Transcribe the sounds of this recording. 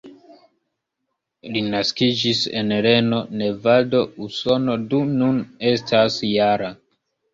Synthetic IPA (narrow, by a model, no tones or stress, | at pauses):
linaskid͡ʒise̞̰nɾe̞no̞ne̞vado̞uso̞no̞dunune̞stʰasjaɾa